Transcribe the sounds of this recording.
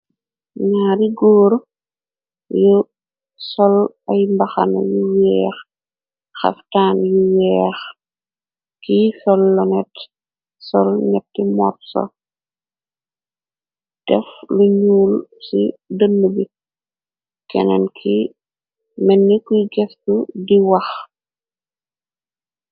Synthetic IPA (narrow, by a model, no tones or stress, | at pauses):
ɲaːɾiɡɔːɾ | ju | sɔl | ɐjmbɐxɐ̰nɐ̰juwɛːx | xɐ̰ftaːnjuwɛːx | kisɔlːɔnɛt | sɔlɲɐp̚timɔ̰ːtsɔ̰ | d̥ɛfluɲuːlsidənːubi | kɛ̰nɐ̰nkʰi | mɛnːikujɡɛftudiwɐx